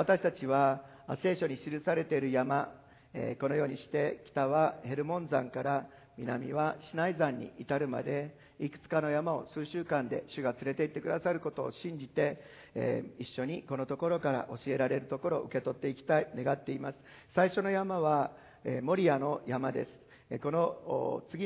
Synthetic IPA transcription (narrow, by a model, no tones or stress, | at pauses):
βat̪aɕi̥t̪at͡ɕiβaː | se̞ːɕo̞ɲ̟iɕiɾɯ̟saɾe̞t̪e̞ɾɯ̟jama | ḛko̞no̞jo̞ːɲ̟iɕi̥t̪e̞kʲi̥t̪aβahe̞ɾɯ̟mõ̞nd͡zãŋkaɾa | mʲina̰mʲḭβaɕinaizãɲ̟ːḭʔit̪aɾɯ̟ma̰d̪e̞ | ikɯ̥t͡sɨ̥kano̞jamao̞̰sɨːɕɨːkãnd̪e̞̰ɕɨɡat͡sɨɾe̞t̪e̞it̪ːe̞kɯ̟d̪asaɾɯ̟ko̞t̪o̞ːɕĩɲ̟d͡ʑit̪e̞̰ | iɕːo̞ɲ̟iko̞no̞t̪o̞ko̞ɾo̞kaɾa̰ʔo̞ɕie̞ɾaɾe̞ɾɯ̟t̪o̞ko̞ɾo̞ʔɯ̟ke̞t̪o̞t̪ːe̞ikʲi̥t̪aine̞ɡat̪ːe̞imasɨ̥ | saiɕo̞no̞jamaβa | emo̞ɾʲianojamad̪e̞̰sɨ̥ | ko̞no̞t͡sɨɡʲi